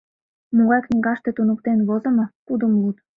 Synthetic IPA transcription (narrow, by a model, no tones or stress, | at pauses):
muʁɑjknʲiɡɑʃt̪ĕt̪unŭkt̪enβozə̆mɤ̆kud̪umlut̪